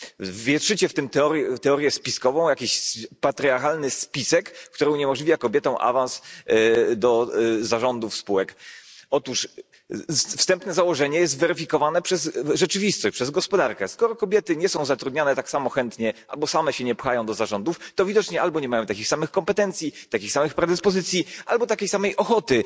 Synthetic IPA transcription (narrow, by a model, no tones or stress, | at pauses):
vːʲjɛt̪ʂɘt͡ɕɛft̪ɘmt̪ɛɔɾjɛt̪ɛɔɾʲjɛspʲiskɔvɔ̃w̃jakʲeɕspat̪ɾʲiaɾxalnɘspʲisɛkkːt̪uɾɛuɲɛmɔʐlʲivʲjakɔbʲjɛt̪ɔ̃w̃ʔa̰vans | d̪ɔzaʐɔnd̪ufspuwɛkɔt̪uʂ | fst̪ɛmpnɛzawɔʐɛɲɛjɛs̬t̪vɛɾɘfʲikɔvanɛpʂɛzʐɛt͡ʂɘvʲist̪ɔɕpʂɛzɡɔspɔd̪aɾkɛskɔɾɔkɔbʲjɛt̪ɘɲɛsɔ̃w̃zat̪ɾud̪ɲanɛt̪aksamɔxɛnt̪ɲɛʔa̰lbɔsamɛɕɛɲɛpxajɔ̃w̃d̪ɔzaʐɔnd̪uft̪ɔvʲid̪ɔt͡ʂɲɛalbɔɲɛmajɔ̃w̃t̪akʲixsamɘxkɔmpɛt̪ɛnt̪sʲjit̪akʲixsamɘxpɾɛd̪ɘspɔzɘt̪sʲjiʔalbɔt̪akʲejsamɛjʔɔxɔt̪ɘ